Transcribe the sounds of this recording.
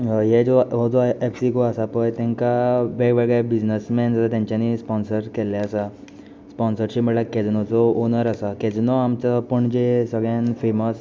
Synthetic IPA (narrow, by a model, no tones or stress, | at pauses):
ɦed͡zɔʋəd͡zoepsikoasapəjt̪ɛ̃ŋkaʋeɡʋeɡɭebid͡znəsmɛnd͡zat̪at̪jãɲt͡ɕanispɔnsəɾkɛlaəsa | spɔnsəɾɕim̤əɽlakɛd͡znɔt͡sɔonəɾəsaked͡znɔamt͡sapəɳd͡ʑesəɡɭjãnfeməs